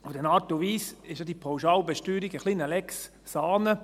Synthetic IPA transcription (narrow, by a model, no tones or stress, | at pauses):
fdɛnɑːtoʋiːsɪʃjɑdipʰɔwʃɑːlbɛʃtyːɾiɡəχliːnəlɛks | sɑːnə